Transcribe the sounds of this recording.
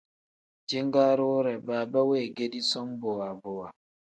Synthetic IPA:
d͡ʒi˦ŋɡa˦ɾoː˦ɾɛ˨baː˨ba˦we˦˨ɡe˦di˦sɔ˦mbo˨wa˨bo˨wa˨

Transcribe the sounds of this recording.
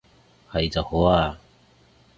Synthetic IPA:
hɐ˨jt͡sɐ˨˩who˨˥aː˧

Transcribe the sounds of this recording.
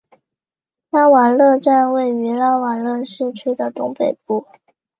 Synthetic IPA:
la˥wa˨˥˩nlɤ˥˧ʈ͡ʂa˥˧nwe˥˩ɪy˧˥la˥wa˨˩nlɤ˥˧ʂɻ̩˥˧t͡ɕʰy˥˩d̪ə˨t̪ʊ˧˥ŋpe˨˩ɪp̚u˥˩

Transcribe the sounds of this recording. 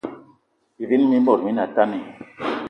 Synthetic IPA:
bi˨vi˦nmi˦m˦bɔ˨ɾmi˦na˨ta˦ni˨

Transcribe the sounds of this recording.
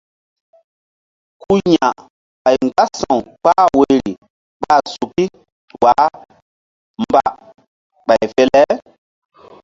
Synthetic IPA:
ku˦ɲa˨ | ɓa˨jŋɡa˦sã˨wk͡paː˦we˨ɾi˨ | ɓa˦˨su˨ki˦ | waː˨˦ | m˨ba̰˨ | ɓa˨jfɛ˦lɛ˦

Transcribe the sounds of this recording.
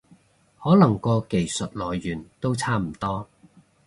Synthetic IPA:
hɔː˨˥lɐ˨˩ŋkɔː˧ke˨˩jsə˨t̚lɔː˨˩jːyː˨˩nt̪o˥wt͡sʰaː˥m̩˨˩t̪ɔː˥

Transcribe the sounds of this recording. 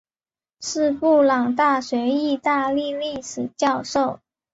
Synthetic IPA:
ʂɻ̩˥˧pu˥˩lɑ˨˩ŋt̪a˥˩ɕɥɛ˧˥i˥˧t̪a˥˧li˥˧li˥˩ʂɻ̩˨˩t͡ɕjɑ˥˧ʊʂo˥˩ʊ

